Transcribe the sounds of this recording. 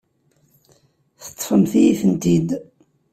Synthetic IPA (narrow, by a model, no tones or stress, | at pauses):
θə̥t̪ˤːfəmθijiθənt̪id̪